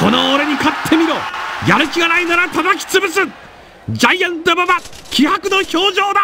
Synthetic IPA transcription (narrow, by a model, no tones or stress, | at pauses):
ko̞noːɾeɲ̟ikat̪ʰːe̞mʲiɾo̞ːjaɾɯ̟kʲiɡanainaɾat̪ad̪akʲi̥t͡sɨbɯsɨ̃ | d͡ʑajãnt̪obabakʲihakɯ̟no̞ço̞ːʑo̞ːd̪a